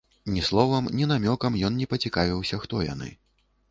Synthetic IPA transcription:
nʲislˠɔvɐmnʲinamʲɔkɐmjɔnnʲɛpɐt͡sʲikavʲiwsʲɐxt̪ɔja̰nɨ̰

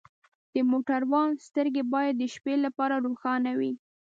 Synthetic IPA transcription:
d̪̥əmoʈaɾwɑnst̪əɾɡebɑjad̪ːəʃpelapɑɾaɾoxɑnawi

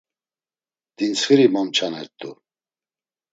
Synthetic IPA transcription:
d̪̥insχəɾimamt͡ʃʰanɛ̰ɾt̪ʼu

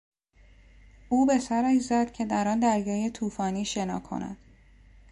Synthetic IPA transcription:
uːbe̞sæɾæʃ̬zæd̪̥cʰe̞d̪æɾɒːnd̪æɾjɒːje̞t̪ʰuːfɒːniːʃe̞nɒ̰ːkʰo̞̰næ̰d̪̥

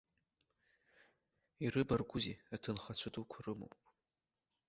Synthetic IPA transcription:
irɨbarɡʷʊziatʰɨnχat͡ɕʷʰadukʷʰʊrɨmo̰wpʼ

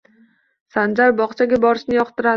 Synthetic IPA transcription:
sand͡ʒaɾbɒqt͡ʃʰaɡʲabɒɾɪʃnɪjɒqt̪ɪɾa

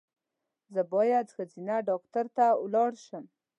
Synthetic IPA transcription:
zəbɑjad̪xazinaɖɑktaɾt̪awlɑɽʃəm

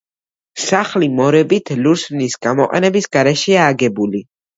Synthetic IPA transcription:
saχlimɔɾɛbit̪ʰluɾsvnisɡamɔqʼɛ̰nɛbisɡaɾɛʃɛaːɡɛbuli

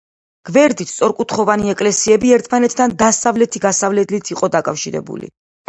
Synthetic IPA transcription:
ɡ̥vɛɾd̪it̪ssʼɔɾkʼut̪ʰχɔvaniɛkʼlɛsiɛbiɛɾt̪ʰmanɛt̪ʰd̪and̪asavlɛt̪ʰiɡasavlɛd̪lit̪ʰiqʼɔd̪akʼafʃiɾɛ̰bṵlḭ

